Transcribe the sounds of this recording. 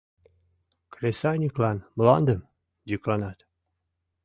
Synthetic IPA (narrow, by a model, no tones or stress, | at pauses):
kɾʲesajnʲiklˠanmlˠand̪ɨm | d͡ʒiklˠanat̪